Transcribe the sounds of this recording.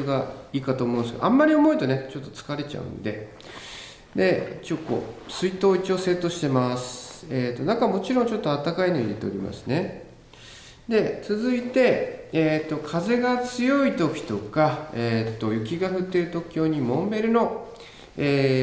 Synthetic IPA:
ɡaiːkat̪oːmõ̞ːnesɨɡaʔamːaɾʲio̞mo̞it̪o̞ne̞t͡ɕo̞t̪ːo̞t͡sɨ̥kaɾe̞t͡ɕa̰ɯ̟̰̃nd̪e̞̰ | d̪e̞t͡ɕokːo̰ːsɨit̪o̞ːit͡ɕo̞ːse̞ːt̪ːo̞ɕi̥t̪e̞masɨ̥e̞t̪o̞nãŋkamo̞t͡ɕiɾõ̞ɲ̟t͡ɕo̞t̪ːo̞at̪ːakainoid̪e̞t̪e̞oɾʲima̰sɨne̞ | d̪e̞t͡sɨzɨit̪e̞et̪ːo̞kʰaze̞ɡat͡sɨjo̞it̪okʲi̥t̪o̞kaeːt̪ːo̞jɯ̟kʲiɡaɸɯ̟t̪ːe̞ɾɯ̟t̪o̞kʲo̞ːɲ̟imõ̞mbe̞ɾɯ̟no̞ | eː

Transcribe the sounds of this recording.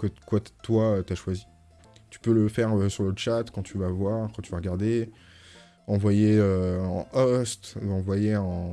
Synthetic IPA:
kəkwat̪waøt̪yaʃwazi | t̪y̥pøləfɛʁəsyʁləʃat̪kɑ̃t̪yvavwaʁkɑ̃t̪yvaʁəɡaʁd̪e | ɑ̃vwajeøɑ̰̃ʔɔst̪ɑ̃vwajeɑ̃

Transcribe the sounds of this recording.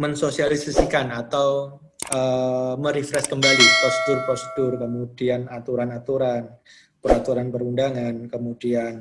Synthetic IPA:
mənsosialisasikanat̪aw | əməɾifɾɛskəmbalipɔst̪ʊrpɔst̪ʊrkəmudianat̪uɾanat̪uɾan | pəɾat̪uɾanpəɾundaŋankəmudian

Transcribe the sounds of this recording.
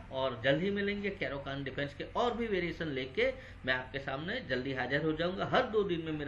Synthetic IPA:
ɔːɾd͡ʒɐld̪ʱimẽlẽːŋɡekɛːɾokaːnɖɪpʰɛ̃nskeʔɔːɾbʱiʋeːɾijeːʃənleːke | mɛ̃aːp̚kesaːmned͡ʒɐld̪iɦaːd͡ʒəɾɦod͡ʒaːũːŋɡaɦɐɾd̪oːd̪ɪnmẽmeːɾ

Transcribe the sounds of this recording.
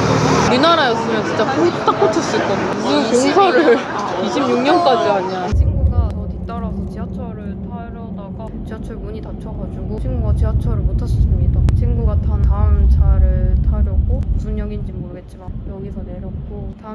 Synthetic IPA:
ɾinaɾajʌs͈ɯmjʌnt͡ɕint͡ɕ͈akʰoitʰt͈ak͈ot͡ɕʰʌs͈uit͈ʌnusʰujoŋt͡ɕʰʌɾɯɭiɕʰimɲuŋɲʌnk͈ad͡ʑiaɲiant͡ɕʰiŋɡuɡatʌtit͈ʌɾasʰʌt͡ɕiat͡ɕʰʌɾɯɭtaɾjʌdaɡat͡ɕiɦat͡ɕʰʌɭmuɲitat͡ɕʰʌɡad͡ʑuɡot͡ɕʰiŋɡuɡat͡ɕiɦat͡ɕʰʌɾɯɭmotʰas͈s͈ʰɯmɲidat͡ɕʰinɡuɡatanaɯmt͡ɕaɾɯɭtʰaɾjʌɡomusʰunɲʌɡind͡ʑimoɾɯɡe̞t̚t͡ɕ͈imajʌɡisʰʌne̞ɾjʌk̚k͈ota

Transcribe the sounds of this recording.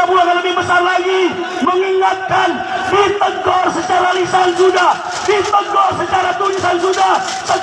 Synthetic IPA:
pulaŋaləbɪhbəsarlaɡi | məŋiŋat̪̚kan | bit̪əɡɔrsət͡ʃaɾalisansuda | bit̪əɡɔrsət͡ʃaɾat̪uɲisansuda | sə

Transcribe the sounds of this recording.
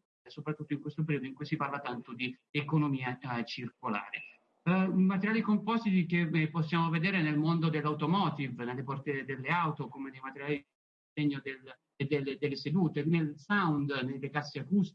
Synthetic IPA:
sopɾat̪ːut̪ːoiŋkwest̪op̬eɾiːd̪oiŋkujsiparlat̪ant̪od̪iekonomiːat͡ʃirkola̰ːɾḛ | imat̪̬eɾjaːlikompɔst̪it̪ik̟epːosːjaːmoved̪ɛːɾenelmond̪od̪elːawt̪omɔːt̪ivnelːepɔrt̪ed̪elːeawt̪okomenejmat̪eɾjaːli | seɲːod̪el | d̪eled̪elːesed̪uːt̪enelsawnd̪nelːekasːeakust̪

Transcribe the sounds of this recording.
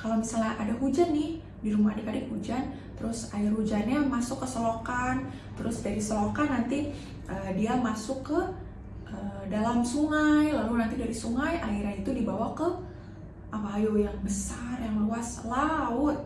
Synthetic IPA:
kalawmisalaadaɦud͡ʒanːɪh | diɾumahadakadɪkhud͡ʒan | t̪əɾʊsaɪrhud͡ʒanɲamasʊkːəsolokan | t̪əɾʊsdaɾisolokanːant̪i | ʔədiamasʊkːə | ʔədalamsuŋajlalunant̪idaɾisuŋajʔaiɾanit̪udibawakə | ʔabaːjojaŋbəsarjaŋəluaslaʊt̪̚

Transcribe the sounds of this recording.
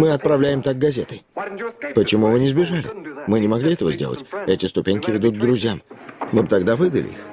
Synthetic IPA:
mɨɐt̪̚pɾɐvlʲæjɪmt̪aɡ̚ɡɐzʲe̞t̪ə̰jpət͡ɕɪmuvɨnʲɪzbʲɪʐalʲɪ̰mɨnʲɪmɐɡlʲiɛt̪əvəzʲdʲḛlˠə̰tʲɛtʲɪst̪ʊpʲenʲkʲɪvʲɪd̪ut̪̚ɡ̚d̪ɾʊzʲjammɨbɨt̪ɐɡd̪avɨd̪ə̰lʲʔɪ̰ḭx

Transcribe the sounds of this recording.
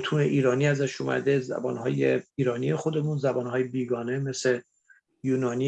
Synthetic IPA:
t̪ʰuːneʔiːɾɒːniæzæʃumæ̰d̪ezæ̰bɒ̰ːnɦɒːjḛiːɾɒːnijexod̪e̞muːnzæbɒːnɦɒːjebiːɡɒːne̞mese | juːnɒːni

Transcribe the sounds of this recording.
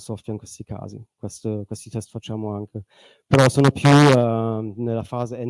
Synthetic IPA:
sɔft̪vjainkwest̪ikʰa̰ːzḭkwest̪əkwest̪it̪ɛst̪fat͡ʃːaːmoaŋkʰe | peɾɔsoːnopʰjuɛnelːafaːzeɛ

